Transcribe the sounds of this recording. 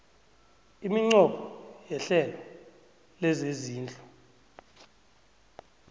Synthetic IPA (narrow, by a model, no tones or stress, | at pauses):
imiŋ͡ǀɔɓʰɔjɛɬɛlɔ | lɛzeziːnd͡ɮʱʼɔ